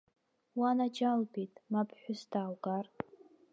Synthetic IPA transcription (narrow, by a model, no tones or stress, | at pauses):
wanad͡ʒalbitʼmapʰʼħʷᶣʊsdaːwɡar